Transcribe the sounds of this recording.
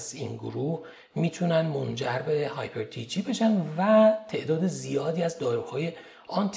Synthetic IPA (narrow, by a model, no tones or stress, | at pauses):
zḭnɡoɾuːh | miːt̪ʰunænd̪mo̞nd͡ʒæɾbe̞hɒːjpʰeɾt̪ʰit͡ʃʰibe̞ʃænd̪væt̪ʰe̞ʔd̪ɒːd̪ezijɒːd̪iːæzd̪ɒːɾuːhɒːje̞ | ɒnt̪ʰ